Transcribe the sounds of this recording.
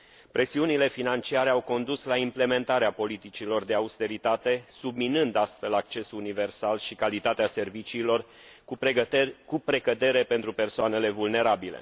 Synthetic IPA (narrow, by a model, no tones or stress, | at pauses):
pɾʔe̞siunile̞finant͡ʃiaɾe̞awko̞nd̪uslaimple̞me̞nt̪aɾeapo̞lit̪it͡ʃilo̞rd̪e̞aust̪e̞ɾit̪at̪e̞subminɨnd̪ast̪fe̞lak̚t͡ʃe̞suunive̞rsalʃikalit̪at̪ease̞rvit͡ʃiːlo̞r | kupɾe̞kəd̪e̞ɾe̞pe̞nt̪ɾupe̞rsoane̞le̞vulne̞ɾabile̞̰